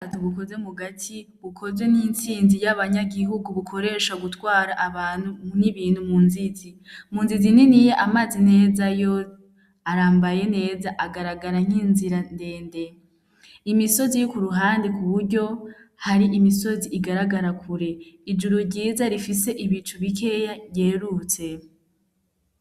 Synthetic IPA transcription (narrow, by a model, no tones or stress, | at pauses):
tuβuko̞ze̞muɡatʰiβukʰo̞zwe̞nint͡siːnzijaβaɲaɡiɦuɡuβukʰo̞ɾe̞ːʃaɡutwaːɾaʔaβaːn̥huuniβiːn̥humuːnzizimunzizininijaʔamaːzine̞ːzajo̞ | aɾaːmbaje̞ne̞ːzaʔaɡaɾaɡaɾaŋ̥iːnziɾande̞ːnde̞ | imiso̞zijokuɾuɦaːndekuβuɾɟo̞haɾiʔimiso̞ziːɡaɾaɡaɾakʰuɾe̞id͡ʒuɾuɾɟiːzaɾifise̞ʔiβit͡ʃuβikʰe̞jaje̞ːɾut͡se̞